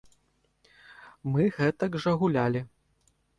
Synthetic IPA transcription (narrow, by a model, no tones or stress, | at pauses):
mɨɣɛt̪ɐɡʐɐɣulʲalʲi